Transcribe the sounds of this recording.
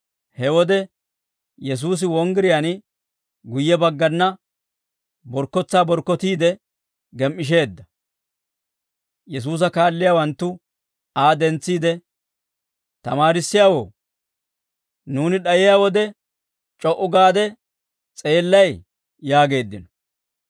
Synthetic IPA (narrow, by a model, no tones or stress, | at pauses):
hɛwɔd̪ɛ | jɛs̬uːs̬ɪwɔŋɡɪɾɪjan | ɡʊjːɛbɐɡːɐnːɐ | bɔɾkːɔt͡sːaːbɔɾkːɔt̪iːd̪ɛ | ɡɛmːɪʃ̬e̞ːd̪ːɐ | jɛs̬uːs̬ɐkaːlːɪjaːwɐnt̪ːʊ | aːd̪ɛnt͡sːiːd̪ɛ | t̪ɐmaːɾɪsːɪjaːwo̰ː | nuːnɪɗɐjɪjaːwɔd̪ɛ | t͡ʃʼɔʔʊɡaːd̪ɛ | t͡sʼe̞ːlːɐj | jaːɡe̞ːd̪ːɪnɔ̥